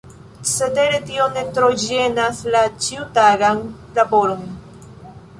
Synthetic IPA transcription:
seteɾetio̞net̪ɾod͡ʒenaslat͡ʃiutaɡan | laboɾon

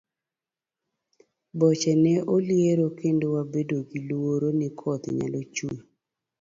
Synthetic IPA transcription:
bɔt͡ʃɛnɛʔoljeɾokendowabedoɡilwoɾonɪkʰɔt̪ɲa̰lot͡ʃui

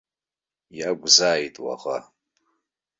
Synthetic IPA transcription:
jaɡʷzaːjtʼwa̰χa̰

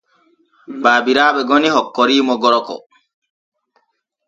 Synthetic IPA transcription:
baːbiɾaːɓɛɡɔnihɔkːɔɾiːmɔɡɔɾɔkɔ̰

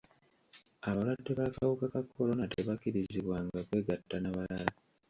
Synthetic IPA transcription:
aβalwadːe̞βakawukakakːo̞lo̞nate̞βakiɾiziβwaŋɡakwe̞ːɡatːanaβalala

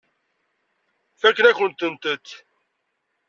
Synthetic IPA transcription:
fækːənæçənt̪ənt̪ət̪ː

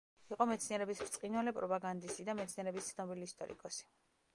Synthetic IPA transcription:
iqʼɔmɛt̪sʰniɛɾɛbisɾt̪sʼqʼinwalɛpʼɾɔpʼaɡand̪isid̪amɛt̪sʰniɛɾɛbist̪sʰnɔbiliːst̪ʼɔɾḭkʼɔsi̥

